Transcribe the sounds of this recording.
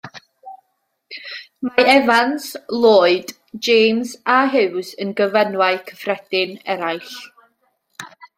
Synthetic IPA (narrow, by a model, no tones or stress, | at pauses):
maɛvanslˠoːɨd | d͡ʒeːmzaɦɪwsənɡəvənwaɨkʰəfrɛd̥ɪnɛɾajɬ